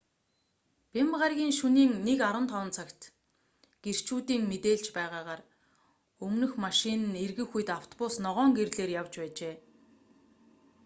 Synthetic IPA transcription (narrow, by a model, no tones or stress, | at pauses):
pʲempʁarɣʲiːŋʃuniːŋnekaɾwə̆nt̪ʰɔwə̆nt͡sʰakt̪ | ɡ̥er̥t͡ɕuːt̪iːŋmet̪eːɮt͡ɕpæːʁaːʁaːr | ɵmnɵ̆xmaʃɪnɘ̆nerɣɘ̆xuj̆t̪aw̥t̪ʰɔpʊsnɔʁœːŋɡerɮeːrjawt͡ɕpæːt͡ɕeː